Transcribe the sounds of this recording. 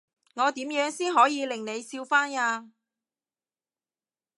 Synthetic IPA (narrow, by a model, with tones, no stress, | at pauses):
ŋɔː˨˧t̪iː˨˥mjœː˨˥ŋsiː˥nɦɔː˨˥jiː˨˧lɪ˨˩ŋne˨˧jsiː˧wfaː˥naː˧